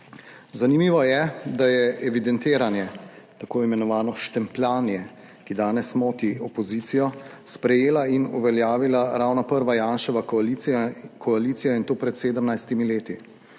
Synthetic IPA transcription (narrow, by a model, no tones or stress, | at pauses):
zanimiːʋɔjɛd̪ajɛɛʋid̪ɛnt̪eːɾanjɛ | t̪akoːimɛnɔʋaːnɔʃt̪ɛmplaːnijɛ | kid̪aːnɛsmɔːt̪iɔpɔziːt̪sijɔspɾɛjeːlainuʋɛljaːʋilaɾawnapəɾʋajaːnʃɛʋa | kʰɔaliːt̪sijɔint̪oːpɾɛt̪seːd̪əmnajst̪imileːt̪i